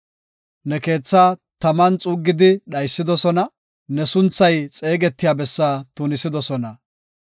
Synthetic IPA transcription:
nɛke̞ːt͡sːaːt̪ɐmɐnt͡sʼuːɡːɪd̪ɪɗɐjsːɪd̪ɔsɔnɐ | nɛsʊnt͡sːɐjt͡sʼe̞ːɡɛt̪ːɪjaːbɛsːaːt̪ʊnɪsɪd̪ɔsɔnɐ

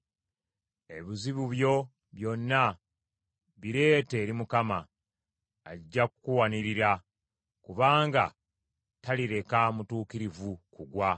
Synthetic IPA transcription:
e̞βiziβuβjo̞ | βjo̞nːa | βiɾe̞ːte̞ːɾimukamaː | iɟːakukuwaniɾiɾa | kuβaːŋɡa̰ | taliɾe̞kamutuːkiɾivukuɡwa

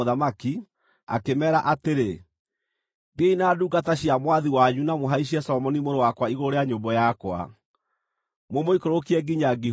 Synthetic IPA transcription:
oðamaki | a̰kemɛːɾaʔateɾe | ɡeinaːduːɡataɕiamwaðiwaɲunamoɦaiɕ̬iɛsɔmɔnimoɾowakwaiɣoɾoɾeaɲoːmbɔjakwa̰ | momoikoɾokiɛɡiɲaɡi

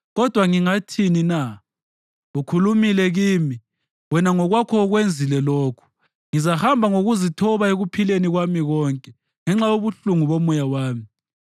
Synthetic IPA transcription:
ɣɔd̥ʱwaŋiŋatʰinina | ukʰulumilɛɣiːmi | wɛnaŋɔɣwakʰɔːɣwend͡zʱilɛlɔːkʰu̥ | ŋizahambʱaŋoɣuzitʰɔβaeɣupʰileniɣwamiɣɔːŋkʼɛ | ŋɛŋ͡ǁajoβuɬuŋuβomujawaːmi

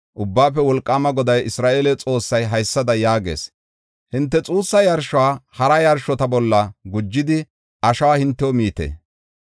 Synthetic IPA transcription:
ʔʊbːaːpːɛwɔlkʼːaːmɐɡɔd̪ɐjɪsɾaːʔeːlɛt͡sʼo̞ːsːɐjɦɐjsːɐd̪ɐjaːɡḛːs | hɪnt̪ːɛt͡sʼuːsːɐjɐɾʃɔwaːhɐɾɐjɐɾʃɔt̪ɐbɔlːɐɡʊd͡ʒːɪd̪ɪ | ɐʃɐwaːhɪnt̪ːɛwɔmiːt̪ḛː

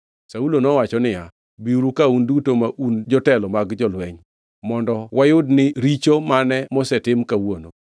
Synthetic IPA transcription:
saulonɔwat͡ʃɔnɪja | biɾukaundutomaʔund͡ʒɔtɛlɔmaɡd͡ʒɔlwɛɲ | mɔndɔwajʊdnɪɾit͡ʃomanɛmɔsɛtɪmkawono

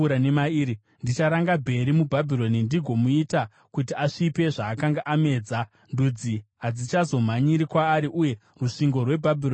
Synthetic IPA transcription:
ɾanemaiɾi | ndit͡ʃaɾaŋɡabʱe̞ɾimubʱabʱilo̞nindiɡʱo̞muita | kutiaʂipe̞ʐaːkaŋɡaʔame̞ːd͡za | ndud͡ziɦad͡zit͡ʃazo̞m̤aɲiɾikwaːɾiʔuje̞ | ruʂiŋɡo̞rwe̞bʱabʱio

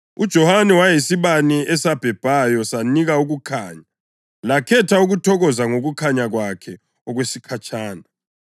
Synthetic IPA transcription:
ud̥ʒ̥ʱɔhanɛwajisiβaniɛsab̥ʱɛb̥ʱajɔsaniɣauɣukʰaːɲa | lakʰɛtʰauɣutʰɔɣɔzaŋoɣukʰaɲaɣwakʰɛ | ɔɣwesikʰat͡ʃʰʼaːna

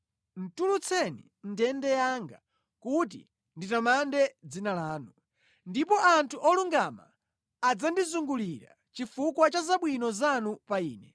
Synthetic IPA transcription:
n̩tulut͡sʰɛnḭ | ndɛndɛjaŋɡa | kut̬ḭ | nditamandɛd͡zinalaːnu | ndipɔʔantʰuʔɔluŋɡama̰ː | d͡zandizuŋɡuliɾa̰ | t͡ʃifukwat͡ʃazaɓwinɔzanupaiːnɛ

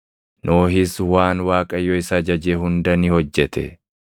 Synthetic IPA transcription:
nʔoːhɪswaːnwaːkʼɐjːɔɪsɐd͡ʒɐd͡ʒeɦʊnd̪ɐnɪhɔd͡ʒːɛt̪ɛ̰

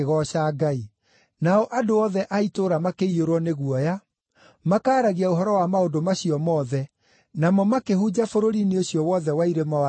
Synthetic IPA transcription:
ɣɔɕaːɡai | naɔʔadoɔðɛʔaitoːɾamakeioɾwɔneɣuɔja | makaːɾaɣiaoɦɔɾɔwamaodomaɕiɔmɔːðɛ | namɔmakeɦud͡ʑafoɾoɾineoɕiɔwɔðɛwaiɾemaa

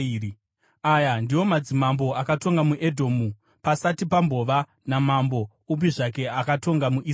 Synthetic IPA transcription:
ajandiwo̞mad͡zimambo̞akato̞ŋɡamuʔe̞dʱo̞ːmu | pasatipambo̞ʋa | namambo̞ | up̬iʐak̬e̞akato̞ŋɡamuʔiː

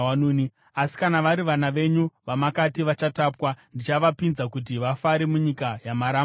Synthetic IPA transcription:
anuni | asi̥kanaʋaɾiʋanaʋe̞ɲuʋamakatiʋat͡ʃataːpwandit͡ʃaʋapinzakut̬iʋafaɾemuɲikajamaɾam

